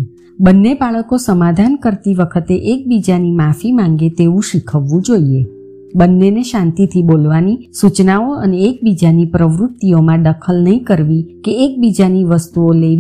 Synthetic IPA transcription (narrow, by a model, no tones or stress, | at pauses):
bənːebaɭəkosəmad̪ʱankəɾt̪iʋəkʰət̪eʔek̚bid͡ʒanimafimãŋɡet̪eʋũʃikʰəʋːũd͡ʒoie | bənːeneʃãnt̪it̪ʰibolʋanisut͡ʃnaoəneːk̚bid͡ʒanipɾəʋɾʊt̪ːiomãɖəkʰəlnəɦĩkəɾʋikeːk̚bid͡ʒaniʋəst̪uole